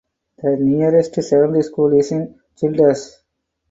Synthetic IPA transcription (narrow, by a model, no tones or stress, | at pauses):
d̪̥əniəɾesʈseʋə̃nd̪iskuːlisĩŋ | t͡ʃilɖəs